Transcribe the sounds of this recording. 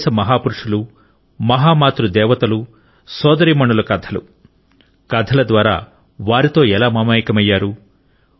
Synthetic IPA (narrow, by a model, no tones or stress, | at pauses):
sɐmɐɦaːpuɾuʂulu | mɐɦaːmaːt̪ɾud̪ɛːʋɐt̪ɐlu | sɔːd̪ɐɾiːmɐɳulɐkɐd̪ʰʱɐlṵ | kɐd̪ʰʱɐlɐd̪ʋaːɾa̰ː | ʋaːɾit̪o̞ːɛlaːmɐmaːjikɐmɐjːaːɾu